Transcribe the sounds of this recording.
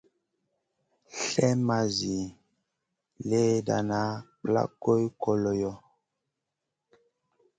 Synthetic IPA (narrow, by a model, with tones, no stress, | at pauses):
ɬɛ˦ma˨zi˨ | le˦da˨na˦k͡pla̰˦ko˦jkɔ˨lɔ˨jɔ˦